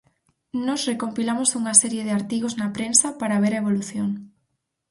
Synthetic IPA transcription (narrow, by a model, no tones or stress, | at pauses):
nɔsrekompilamosuŋɐsɛɾjeðeaɾt̪iɣ̞oznɐpɾensɐpaɾaβ̞eɾaeβ̞oluθjoŋ